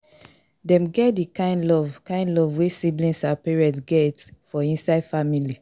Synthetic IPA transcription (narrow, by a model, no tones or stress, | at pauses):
dɛ̃mɡɛt̚dikãɪ̃ndlɔvkãɪ̃ndlɔvwesiblĩnsapɛɹɛtɡɛtfɔĩnsaɪdfamili